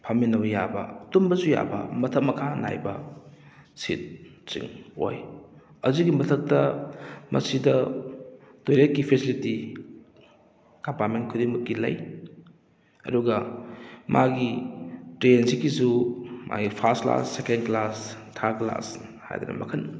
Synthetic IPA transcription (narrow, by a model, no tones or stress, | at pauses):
pʰɐminɐwjabɐ̰ɐtumbɐzuja̰bɐ̰mɐtʰɐk̚mɐkʰana̰jbɐ | sḭt̚t͡ʃḭŋo̰j | ɐzuɡimɐtʰɐk̚tɐmʔɐ̰sidɐ | tojlet̚kipʰesiliti | kɐmpaɾment̚kʰudiŋmɐkːilɐ̰j | ɐ̰duɡɐ | mʔaɡitɾenzikːizumʔa̰ɡipʰɐɾstkla̰sːekenklastʰakla̰sha̰jd̪ɐ̰nɐ̰mɐ̰kʰɐn